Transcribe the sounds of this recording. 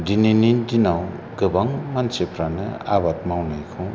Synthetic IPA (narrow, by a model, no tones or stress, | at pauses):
dininidinawɡɯbaŋmansepʰɾanɯ̰a̰bat̚mawnajkʰɯ